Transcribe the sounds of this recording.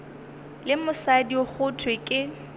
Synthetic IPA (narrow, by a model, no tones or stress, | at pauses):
lɪmʊsadioχʊtʰwekʼɪ